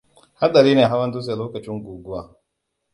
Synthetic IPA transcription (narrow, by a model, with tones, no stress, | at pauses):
ha˦ɗɐ˨ɾiː˦neː˨ɦa˦wɐ˦nduː˦s̬e˨loː˦kɐ˨t͡ʃɪ˦ŋɡʷuː˨ɡʷʊ˦waː˨